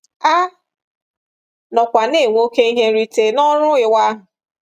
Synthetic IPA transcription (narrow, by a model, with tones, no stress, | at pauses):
a˦ | nɔ˨kʷa˨ne˦˨ŋʷo˦ke˦i˦ɦe˦ɾi˦te˨nɔ˦ɾʊ˦ɪ˨wa˦ɦʊ˨